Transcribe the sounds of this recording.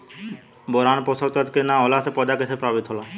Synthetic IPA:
boɾanpɔsʰɔt̪at̪kenaɔlasepɔd̪akesʰepɾabid̪ɔla

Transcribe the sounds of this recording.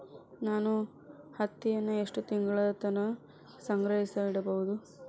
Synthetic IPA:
naːnu | hɐt̪ːijɐnːue̞ʂʈut̪iŋɡɐɭɐd̪ɐt̪ɐnɐ | sɐŋɡɾɐɦisɐiɽɐbɐʋud̪u

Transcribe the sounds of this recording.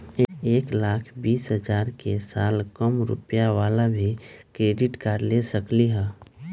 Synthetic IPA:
eːklaːkʰbiːsɦəd͡ʒaːɾkesaːlkəmɾʊ̰pjaʋaːlabʱikɾeːɖɪʈkaɾlesəkliɦɛ̃ː

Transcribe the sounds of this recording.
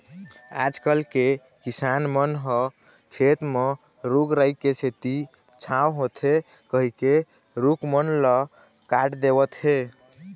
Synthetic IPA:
a̰d͡ʒkəlke | kisanmənɦə | kʰet̪me | ɾuɡɾəikeset̪i | t͡ʃʰãwɦot̪ɦe | kəɦike | ɾukmənlə | kaʈd̪ebət̪ɦe

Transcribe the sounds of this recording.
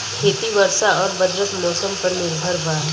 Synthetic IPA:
kʰeːt̪iʋəɾsaɔːɾbɐd̪ɾəsmɔːsəmpɐɾnɪɾbʱəɾbaː

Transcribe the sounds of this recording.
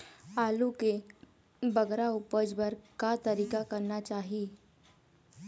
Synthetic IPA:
aluke | bəɡɾaupəd͡zbəɾkat̪əɾikakəɾnat͡ɕaɦi

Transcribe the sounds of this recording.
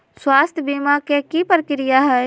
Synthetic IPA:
swaːst̪ʰjbiːmakekipɾəkɪɾɪjaɦɛː

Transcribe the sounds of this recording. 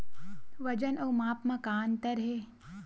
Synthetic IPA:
ʋɐd͡ʒənɐːmaːpmãkaːnt̪ɐɾɦeː

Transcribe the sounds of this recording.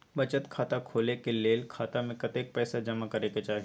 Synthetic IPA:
bɐt͡ʃət̪kʰaːt̪akʰoːlekeleːlkʰaːt̪amẽkɐt̪eːk̚pɛːsad͡ʒɐmakɐɾeket͡ʃaːɦ

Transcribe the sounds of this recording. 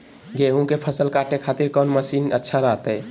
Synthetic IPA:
ɡeɦũkepʰəsəlkaʈekʰat̪iɾkənməsinə̰tːʃʰaɾaɦt̪əj

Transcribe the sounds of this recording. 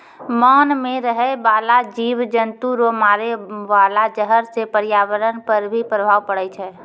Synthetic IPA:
maːnmẽɾəɦɛbalad͡ʒiʋd͡ʒənt̪uɾomaɾeʋalad͡ʒəɦəɾsepəɾjaʋəɾənpəɾbʱipɾəbʱaːʋpəɽɛt͡ʃʰɛ

